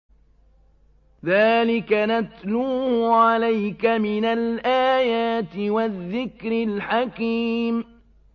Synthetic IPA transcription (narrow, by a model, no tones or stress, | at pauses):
ðaːlɪkanat̪luːhʕalajkamɪnalʔaːjaːt̪ɪwaðːɪkɾɪlħakiːm